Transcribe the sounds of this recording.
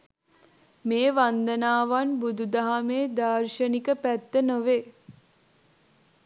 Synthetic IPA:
meːʋand̪ənaːʋanbud̪ud̪aɦameːd̪aːrʃənikəpæt̪ːənoʋe

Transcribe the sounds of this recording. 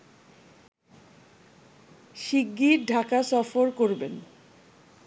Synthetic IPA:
ʃiɡːiɾɖʱakasɔfoɾkoɾben

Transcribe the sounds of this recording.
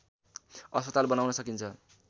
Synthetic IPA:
ʌspʌt̪albʌnawnʌsʌkint͡sʰʌ

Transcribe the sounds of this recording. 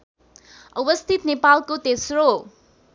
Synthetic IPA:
ɐbɐst̪ʰit̪nepalkot̪esɾo

